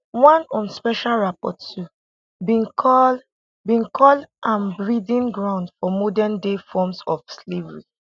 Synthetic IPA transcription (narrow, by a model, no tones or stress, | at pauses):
wãnɔ̃nspɛʃalɹapɔ̰tu | bĩnkʰɔ | bĩnkʰɔlʔãnbɹidĩnɡɹãʊ̃ndfɔmɔdɛndefɔmsɔfslevɹi